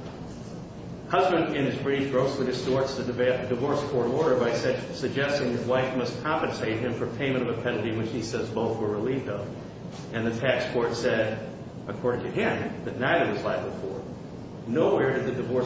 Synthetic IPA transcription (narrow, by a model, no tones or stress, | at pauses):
hʌzbɨ̃ndɪ̃nɨzbɹɪɾɨt͡ʃɡ̥ɹoʊslidɨstɔɹtsðɨdɨvɔɹskʰɔɹɾɔɹɾə˞baɪsɨɡ̚d͡ʒɛstɪ̃ŋðɨʔ̚waɪfmʌspʰɑ̃pɨ̃ntʰeɪt̚ɦɨ̃ɱfə˞pʰẽɪ̃mɨ̃ɾ̃ʌvɨpʰɛɾl̩ˠtiwɨt͡ʃhisɛdzboʊθwə˞ɹɪlivdʌv | ɨ̃nðɨtʰækspʰɔɹtsɛɾ | ʔɨkʰɔɹɾɪ̃ŋtʰɨɦæ̃nbɨtⁿnaɪðə˞wʌzlaɪvbəfɔ̰ɹ | noʊwɛɹdɨd̪̚ðɨdɨvɔ